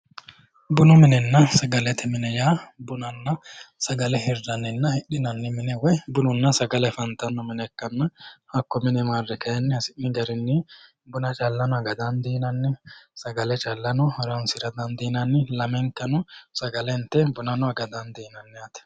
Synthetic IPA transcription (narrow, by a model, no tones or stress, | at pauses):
bʊnʊmɪnɛnːɐsɐɡɐlɛt̪ɛmɪnɛjaːbʊnɐnːɐsɐɡɐlɛhɪɾɐnːɪnːɐhɛɗːɪnɐnːɪmɪnɛwɔjbʊnʊnːɐsɐɡɐlɛfɐnt̪ɐnːɔmɪnɛkːɐnːɐhɐkːɔmɪnɛmaːrːɛkɐjɛnːɪhɐsɪʔːɪɡɐɾɪnːɪ | bʊnɐt͡ʃʼɐlːɐnɔɐɡɐd̪and̪iːnɐnːɪsɐɡɐlɛt͡ʃʼɐlːɐnɔɔɾɔnsɪɾɐd̪ɐnd̪iːnɐnːɪlɐmɛŋkːɐnɔsɐɡɐlɛnt̪ɛbʊnɐnɔɐɡɐd̪and̪iːnɐnːɪat̪ɛ̥